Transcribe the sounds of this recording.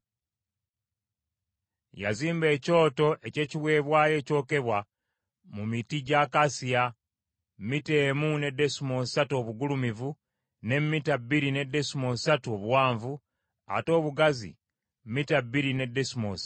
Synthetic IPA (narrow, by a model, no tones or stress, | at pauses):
jaziːmbe̞ːco̞ːto̞ʔe̞ce̞ːciβwe̞ːβwaje̞ːco̞ːke̞βwa | mumitiɟakasija | mmite̞ːmune̞de̞simo̞sato̞ːβuɡulumivu | ne̞mmːitabːiɾine̞de̞simo̞satuo̞βwaːɱvu | a̰to̞ːβuɡazḭ | mmitabiɾine̞desimosa